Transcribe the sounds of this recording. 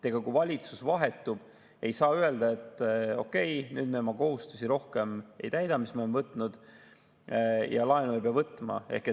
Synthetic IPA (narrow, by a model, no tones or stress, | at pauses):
t̪e̞ɡ̥ɑkuvɑlʲit̪susvɑɦe̞t̪ːˑub̥ | e̞jsɑːye̞ld̪ɑe̞t̪ːˑo̞kːe̞jnyːd̪̥memɑko̞ɦust̪u̥siɾo̞hke̞me̞̰jt̪æjd̪̥ɑmismɑoevɤt̪ːˑnud̪̥ | jɑ̰lɑenuejpeɑvɤt̪ːˑmɑ̰e̞hke